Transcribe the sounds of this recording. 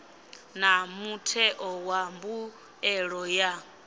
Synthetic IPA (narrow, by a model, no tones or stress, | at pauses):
namutʰɛʔɔwambu | ɛɺɔja